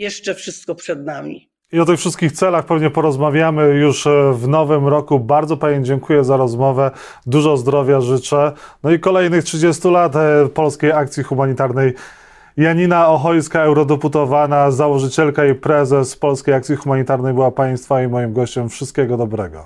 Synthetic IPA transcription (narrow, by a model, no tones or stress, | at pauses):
jɛʂt͡ʂɛfʂɘst̪̚kɔpʂɛd̪namʲḭ | iɔt̪ɘxfʂɘst̪̚kʲixt̪sɛlaxpɛvɲɛpɔɾɔzmavʲjamɘjuʂvnɔvɘmɾɔkubaɾd̪ɔpaɲɛmd͡ʑɛŋkujɛzaɾɔzmɔvɛ | d̪uʐɔzd̪ɾɔvʲjaʐɘt͡ʂɛnɔikɔlɛjnɘxtʂɘd͡ʑɛst̪ulat̪pɔlskʲejakt̪sʲjixumaɲit̪aɾnɛj | jaɲinaɔxɔjskaɛwɾɔd̪ɛput̪ɔvanazawɔʐɘt͡ɕɛlkaipɾɛzɛspɔlskʲejakt̪sʲixumaɲit̪aɾnɛjbɘwapaj̃st̪faimɔjimɡɔɕt͡ɕɛmfʂɘst̪̚kʲɛɡɔd̪ɔbɾɛɡɔ̰